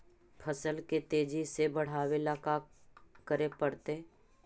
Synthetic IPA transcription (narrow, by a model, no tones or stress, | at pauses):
pʰəsəlket̪eːd͡ʒisebəɽ̤aːwelakakəɾepəɽt̪eː